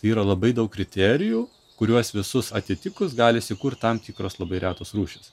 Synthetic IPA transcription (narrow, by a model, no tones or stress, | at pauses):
t̪ɐɪiːɾɐlˠɐbɐɪd̪ɐʊkkɾʲɪt̪ʲɛːɾʲɪjuː | kʊɾʲuɔsʋʲɪsʊsɐt̪ʲɪt̪ʲɪkʊs̬ɡɑːlʲɪsʲɪkuːɾt̪t̪ɐmt̪ʲiːkɾoːslˠɐbɐɪɾʲæːt̪oːsɾuːʃʲɪs